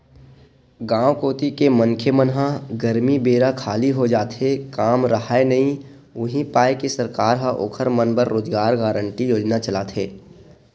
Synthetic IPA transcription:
ɡãːwkoːt̪ikemə̃ŋkʰjəmənɦãɡəɾmibeːɾakʰaːliɦod͡ʒaːt̪ekaːmɾɐɦaenɐɦĩ | ʊɦĩpaːekesɐɾkaːɾɦãʔo̰ːkʰəɾmənbəɾːoːd͡ʒɡaːɾɡaːɾəɳʈijoːd͡ʒnat͡ʃɐlaːt̪ʰeː

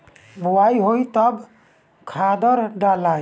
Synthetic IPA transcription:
buwajɦojt̪əb | kʰad̪əɾɖalaj

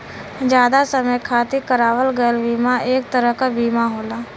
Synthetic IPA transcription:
d͡ʒjaːd̪asəməjkʰaːt̪ikəɾaːʋəlɡəlbiːmaeːk̚t̪əɾəɦkabiːmaɦoːlaː

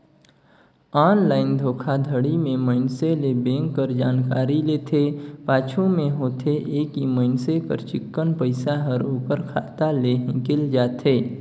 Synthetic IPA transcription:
aːnlaːɪnd̪ʱoːkʰad̪ʱəɽimẽməɪnselebẽːŋkːəɾd͡ʒaːnkaːɾileːt̪ʰepaːt͡ʃʰũmẽɦoːt̪ʰeʔeːkiməɪnsepə̰ɾt͡ʃɪkːənpəɪsaɦəɾoːpəɾkʰa̰ːt̪aleɦɪ̃kɪld͡ʒaːt̪ʰeː

